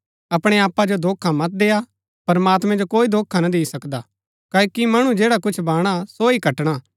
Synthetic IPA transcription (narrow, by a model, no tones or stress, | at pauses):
ɐpɽ̃eaːpːad͡ʒod̪ʱoːkʰamɐt̪̚d̪eːa | pɐɾmaːt̪mɛ̃d͡ʒokoːid̪ʱoːkʰanɐd̪iːisɐkd̪a | kaːkimɐɽ̃ũd͡ʒeːɽakʊt͡ʃʰbaːɽ̃asoikɐʈɽ̃aː